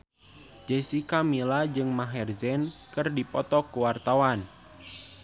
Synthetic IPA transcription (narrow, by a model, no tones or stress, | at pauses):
d͡ʒesikamilad͡ʒɨŋmaɦɛrzɛnkɨrdipɔt̪ɔkuwart̪awan